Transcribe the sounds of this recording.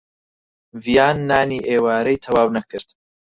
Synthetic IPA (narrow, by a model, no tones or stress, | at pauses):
vijaːnːaːniːʔeːwaːɾɐjt̪ʰɐwaːwnɐkɨɾd̪̥